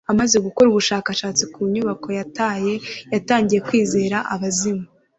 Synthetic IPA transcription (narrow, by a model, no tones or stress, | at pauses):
amaze̞ɡuko̞ɾuβuʃaːkaʃaːt͡sikuɲuβako̞jataje̞jataːɲɟije̞kwiːze̞ːɾaʔaβazima